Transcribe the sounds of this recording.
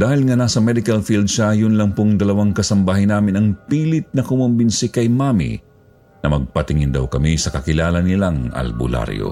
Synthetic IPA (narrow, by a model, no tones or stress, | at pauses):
d̪aːhɪlŋɐnasɐmɛd̪ɪkɐlfild̪̚ʃajʊnlɐŋpoŋd̪ɐlɐwaŋkɐsɐmbaːɦhɪnːaːmɪnɐŋpiːlɪt̪̚nɐkʊmʊmbɪnsɪkɐjmamḭ | nɐmɐɡ̚pɐt̪ɪŋɪnd̪ɐwkɐmisɐkɐkɪlaːlɐnɪlaŋɐ̰lbʊ̰la̰ɾjo̰